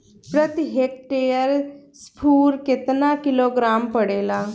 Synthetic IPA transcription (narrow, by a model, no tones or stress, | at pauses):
pɾət̪iɦeːk̚ʈeːəɾspʰuːɾkɪt̪naːkɪloːɡɾaːmpəɽeːlaː